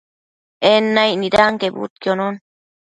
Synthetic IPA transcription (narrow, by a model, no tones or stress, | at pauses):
enːajʔniɾaŋkebṵt̪̚kjonon